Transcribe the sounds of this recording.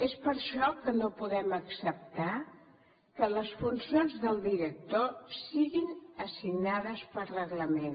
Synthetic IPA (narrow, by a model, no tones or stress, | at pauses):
espəɾʃɔkənopuðɛməksəp̚t̪a | kələsfunsionzðəlˠd̪iɾək̚t̪osiɣinəsiɡnaðəspəɾrəɣləmen